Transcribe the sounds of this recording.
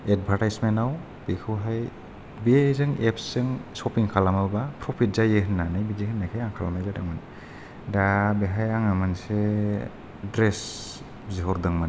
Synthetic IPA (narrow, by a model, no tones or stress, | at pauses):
ed̚bʱaɾtajsmentaw | b̥ekʰɯwɦaj | bezɯŋepsɯŋsɔpiŋkʰalamɯbapʰɾɔpʰit̚zajeɦɯnːanajbizehɯnːajkʰajaŋkʰalamajzadɯŋman | dabeɦajaŋamanse | dɾes | ziɦɔɾdɯŋman